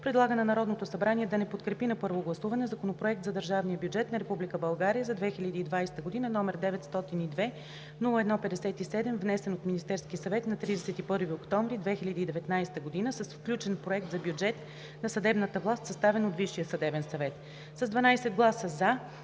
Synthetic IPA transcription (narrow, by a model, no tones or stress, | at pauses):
pɾɛd̪lˠaɡənɛnɐɾɔd̪not̪osɐbɾaniɛd̪ɐnɛpot̪kɾɛpinɐpɤɾvoɡlˠɐsuvɐnɛzɐkonopɾoɛk̚t̪zɐd̪əɾʒavnijəbjud͡ʒɛt̪nɐɾɛpublʲikəbɐlˠɡaɾijəzɐd̪vɛxilʲəd̪iːd̪vajsɛ̥t̪əɡod̪inənɔmɛɾd̪ɛvɛt̪st̪ɔt̪inid̪vɛ | nulˠəɛd̪nɔpɛd̪ɛsɛt̪isɛd̪ɛmvnɛsɛnot̪minist̪ɛɾskisɐvɛt̪nɐt̪ɾid̪ɛsɛt̪ipɤɾviokt̪ɔmvɾid̪vɛxilʲəd̪iːd̪ɛvɛt̪najst̪əɡod̪inəsəsfklʲut͡ʃɛnpɾoɛk̚t̪zɐbʲjud͡ʒɛt̪ | nɐsɐd̪ɛbnət̪əvlˠast̪sɐst̪avɛnot̪viʃijəsɐd̪ɛvɛnsɐvɛt̪ | səzd̪vɐnajsɛd̪ɡlˠasəza